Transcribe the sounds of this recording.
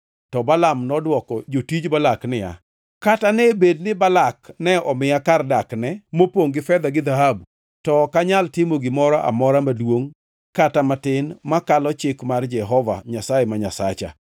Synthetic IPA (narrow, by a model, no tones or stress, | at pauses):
tɔbalamnɔdwɔkɔd͡ʒotid͡ʒbalaknɪja̰ | katanɛbednɪbalaknɛɔmɪjakardaknɛmopwoŋɡɪfɛd̪aɡɪd̪aɦab | tɔkaɲaltɪmoɡɪmɔɾɔʔa̰mɔɾamadwoŋ | katamatɪnmakalɔt͡ʃɪkmard͡ʒɛɦɔva̰ɲasaemaɲasat͡ʃa̰